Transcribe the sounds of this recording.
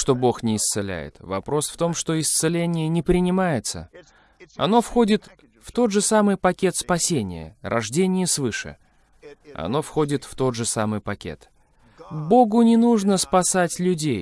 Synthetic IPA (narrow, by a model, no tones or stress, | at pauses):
ʂt̪o̞bo̞xnʲɪːst̪sɨlʲæ̰jɪ̰t̪vɐ̰pɾo̞sft̪o̞mʂt̪o̞ɪst̪sɨlʲenʲɪjənʲɪpɾʲɪnʲɪmajɪt̪sə̰ | ɐ̰no̞fxo̞dʲɪt̪ | ft̪o̞d̪ʐɨsamɨjpɐkʲe̞t̪spɐsʲenʲɪ̰jə̰ɾɐʐdʲenʲɪjəsvɨʂɨ̰ | ɐ̰no̞fxo̞dʲɪt̪ft̪o̞d̪ʐɨsamɨjpɐkʲe̞̰t̪ | bo̞ɡʊnʲɪnuʐnəspɐsatʲlʲʊdʲej